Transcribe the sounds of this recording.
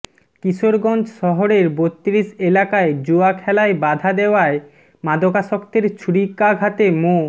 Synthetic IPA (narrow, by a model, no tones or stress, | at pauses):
kiʃoɾɡɔnd͡ʑʃɔɦoɾeɾbot̪ːɾiʃelakaed͡ʑuakʰɛlaebad̪ʱad̪eoae | mad̪okaʃɔkt̪eɾt͡ɕʰuɽikaɡʱat̪emo